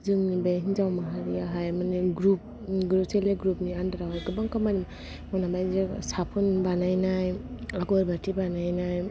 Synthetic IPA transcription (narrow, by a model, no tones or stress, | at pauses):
zɯŋnibeɦinzawmaɦaɾiaɦajmaneɡɾup̚ | ɡɾup̚teleɡɾup̚niandaɾawajɡɯbaŋkamanim | mɔnabajzesapʰunbanajnajaɡɔɾbatʰibanajnaj